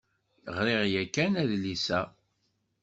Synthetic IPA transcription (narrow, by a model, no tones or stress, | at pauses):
əʁɾeʁjækːænæðlisæ